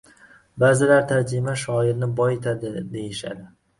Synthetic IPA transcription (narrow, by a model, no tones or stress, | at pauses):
bazɪlaɾt̪ʰaɾd͡ʒɪmaʃɒɪɾnɪbɒjet̪ʰad̪ɪd̪e̞jɪʃa̰d̪ɪ